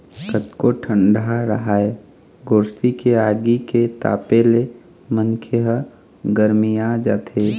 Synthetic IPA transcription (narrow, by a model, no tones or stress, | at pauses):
kət̪koʈʰəɳɖaɾəɦaːe | ɡoːɾst̪ikeaɡiket̪a̰ːpele | mənkʰeɦə | ɡəɾmijad͡ʒaːt̪ʰe